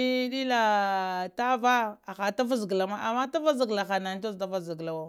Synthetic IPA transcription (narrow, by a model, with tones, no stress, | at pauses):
ɗi˦la˨ta˦va˦a˨xa˨ta˦va˦zi˨ɡla˨ma˦ʔa˨ma˦ta˦va˦zi˨ɡla˨xa˨na˨n˦o˦zta˦va˦zi˨ɡla˨wa˦